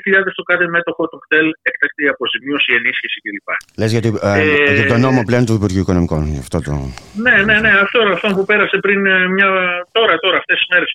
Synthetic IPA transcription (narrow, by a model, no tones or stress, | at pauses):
çiʎɐðe̞st̪o̞kɐθe̞me̞t̪o̞xo̞t̪okt̪e̞lekt̪ɐk̚t̪eiɐpo̞zimio̞sie̞nisçisicelipɐ̰le̞zʝɐt̪iit̪ono̞mople̞ot̪uðipuɾʝiuiko̞no̞miko̞nɐft̪o̞t̪o̰ne̞ne̞ne̞ɐft̪oɾɐft̪ompupe̞ɾɐsepɾinmɲɐt̪o̞ɾɐt̪o̞ɾɐft̪e̞si̥zme̞ɾe̞s